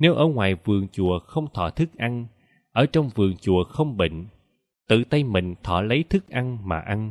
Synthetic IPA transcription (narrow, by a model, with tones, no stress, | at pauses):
ne˨˦wʔəː˧˩ŋwaː˨˩jvɨ˨˩əŋt͡ɕṵ˧˨əxə˧wŋ͡mt̪ʰɔ̰˧˩t̪ʰɨ˦˥k̚ʔa˧n | ʔəː˧˩t͡ɕɔ˧wŋ͡mvɨ˨˩əŋt͡ɕṵ˧˨əxə˧wŋ͡mɓḭ˧˨ŋ̟ | t̪ɨ̰˧˨t̪ə˧jmï˨˩ŋ̟t̪ʰɔ˧˩lə˨˦jt̪ʰɨ˦˥k̚ʔa˧nma̰ː˨˩ʔa˧n